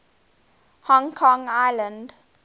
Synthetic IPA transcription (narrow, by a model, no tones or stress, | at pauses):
hɔ̃ŋkʰɔ̃ŋaɪlə̃nd